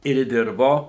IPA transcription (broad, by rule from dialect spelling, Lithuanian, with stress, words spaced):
ɪr ˈdʲɪrboː